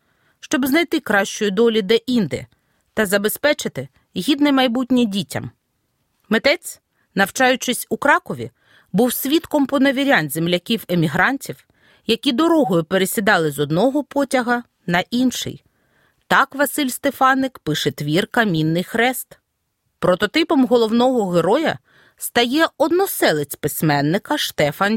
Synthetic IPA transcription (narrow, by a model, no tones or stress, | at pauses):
ʃt͡ʃɔbznɐjt̪ɪkɾɑʃt͡ʃʊjʊd̪ɔlʲid̪ɛʔind̪ɛ̰ | t̪ɐzɐbe̞spɛt͡ʃɪt̪ɪ | ɦʲid̪nɪmɐjbut̚ʲnʲidʲitʲɐ̰m | met̪ɛt͡sʲ | nɐwt͡ʃɑjʊt͡ʃɪsʲukɾɑkɔʋʲḭ | buwsʲʋʲit̪kɔmpɔnɐʋʲiɾʲanʲzʲemlʲɐkʲiwemʲiɦɾɑnʲtʲiw | jɐkʲid̪ɔɾɔɦɔjʊpeɾesʲid̪ɑlˠɪzɔd̪nɔɦɔpɔtʲɐɦɐ | nɐʔinʃɪ̰j | t̪ɑkʋɐsɪlʲst̪efɑnːɪkpɪʃɛt̪ʋʲirkɐmʲinːɪjxɾɛst̪ | pɾɔt̪ɔt̪ɪpɔmɦɔlˠɔwnɔɦɔɦeɾɔjɐ̰ | st̪ɐjɛɔd̪nɔsɛlˠɪt͡sʲpɪsʲmɛnːɪkɐʃt̪ɛfɐn